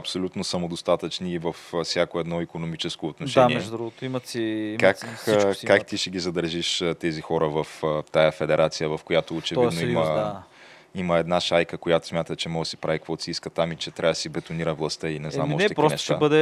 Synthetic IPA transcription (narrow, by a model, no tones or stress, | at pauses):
ɐpsolʲut̪nosɐmod̪ost̪at̪ət͡ʃniːvɐffsʲjakoɛd̪nɔikonomit͡ʃɛskoːt̪noʃdaniɛʒd̪ɾuɡot̪iməsikaakːkakt̪iʃɛɡ̟ʲizɐd̪əɾʒiʃət̪ɛzixɔɾəvɐft̪ajəfɛd̪ɛɾʔat̪sijəvɐfkojat̪oːt͡ʃɛvid̪oiimə | iməɛd̪naʃajkəkojat̪o̥smʲjat̪ət͡ʃɛmɔʒəsi̥pɾavikvɔt̪siskət̪amit͡ʃɛt̪ɾavd̪ɐsibɛt̪oniɾəvlˠɐst̪əinɛzamɔʃɛkpɾkɔnɛʃt̪abəd̪ɛ